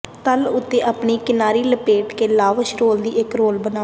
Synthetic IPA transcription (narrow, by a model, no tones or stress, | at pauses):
t̪əlʊt̪ːeːʔaːpɳiːkɪnaːɾiːləpeːʈkeːlaːʋəʃɾoːld̪iːɪkɾoːlbənaː